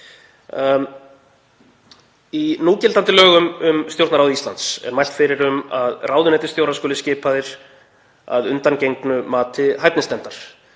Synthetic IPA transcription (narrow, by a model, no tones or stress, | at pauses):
inuːcɪlt̪ant̪ɪlœːɣʏmʏmst̪jowɾt̪naɾawðist̪ant̪sɛ̰ɾmajl̥t̪fɪɾɪɾʏmaðraːwðʏnɛt̪ɪ̥st̪jowɾaskɔːlɪscɪːpaðɪɾ̥ | a̰ðʏnt̪ancejŋknʏmaːt̪ʰɪɦajp̪̚nɪst̪ɛmt̪aɾ̥